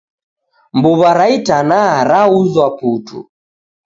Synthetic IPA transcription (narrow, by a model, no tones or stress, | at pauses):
mbuβaɾaitanaɾauzwaputṵ